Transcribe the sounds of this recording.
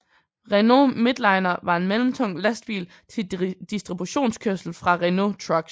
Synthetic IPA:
ʁeno̝med̥lɑ̈ɪnɐʋɑ̈e̝nmelm̩t͡sʰɔ̽ŋ̰læsd̥̚b̥ḭːl | t͡sʰe̝d̥isd̥ʁib̥uɕo̝̰ːnskʰøɐsl̩fʁɑ̈ʁeno̝t͡sʰʁɑɡ̥

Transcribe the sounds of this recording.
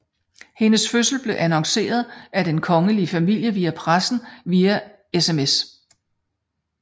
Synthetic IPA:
he̝nəsføsl̩b̥le̝ʔænɒ̽ŋse̝̰ːɐð̞ˠæd̥enkʰɒ̽ŋəlifæmil̰jəʋiːæpʰʁasn̩ʋiːæ | esemes

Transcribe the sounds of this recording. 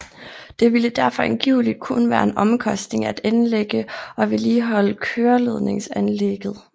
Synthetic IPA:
d̥e̝ʋiləd̥æɐfɒ̽enɡ̥iʊlid̥̚kʰunʋæːɐe̝nʔɒ̽mkʰɒ̽sd̥ne̝ŋæd̥ænleɡ̥əɒ̽ʋe̝liːɦɒ̽ləkʰøːɐle̝ð̞̰ˠne̝ŋsænleɡ̥ð̞̩ˠ

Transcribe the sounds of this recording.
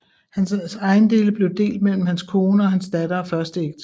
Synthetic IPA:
hænsɑ̈ɪn̩d̥e̝̰ːləb̥le̝ʊd̥e̝̰ːld̥̚mel̰m̩hænskʰo̝ːnəɒ̽hænsd̥æd̥ɐɒfɶɐsd̥əeɡ̥̚d̥ʰ

